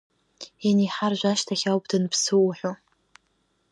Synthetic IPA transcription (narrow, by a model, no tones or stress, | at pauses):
iniħarʒᶣʷaʃtʰaxʲawpʰʼdɨnpʰsɨwːħʷᶣo